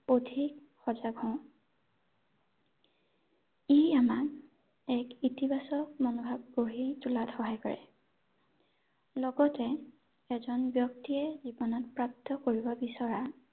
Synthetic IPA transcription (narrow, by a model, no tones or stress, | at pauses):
potʰik | xɔzaɡʱɔ̃ʊ̃ | ijamak | ɛkitibʱasɔk̚monɔbʱab̚ɡoɦitulatxɔɦajkɔɹɛ̰ | lɔɡɔtɛ | ɛzɔnbjɔk̚tiɛzibɔnɔtpɹap̚tɔkoɹibɔbisɔɹa